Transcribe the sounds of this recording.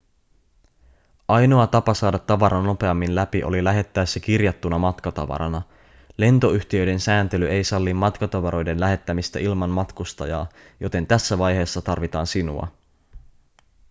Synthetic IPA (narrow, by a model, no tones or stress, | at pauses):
ʔɑjno̞ɑt̪ɑpɑsɑːdɑt̪ːɑʋɑɾʔɑnːo̞pe̞ɑmːinlæpiʔo̞̰lilæɦe̞t̪ːæːsːæk̟irjɑt̪ːunɑmɑt̪kɑt̪ɑ̰ʋɑ̰ɾɑ̰nɑ | le̞nt̪o̞yçt̪iø̞jde̞nsæːnt̪e̞lyʔe̞jsɑlːimːɑt̪kɑt̪ɑʋɑɾo̞jde̞nlæɦe̞t̪ːæmist̪æʔilmɑnmɑt̪kust̪ɑjɑːjo̞t̪e̞nt̪æsːæʋɑjɦe̞ːsːɑt̪ɑrʋit̪ɑːnsinṵɑ̰